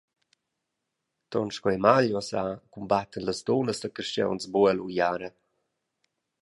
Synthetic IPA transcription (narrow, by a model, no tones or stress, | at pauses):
t̪ɔ̰nʃkwɛmaʎɔasakumbat̪ənləsd̪onəsdəkəʃt͡ʃɛ̰wnsbuɛlujaɾə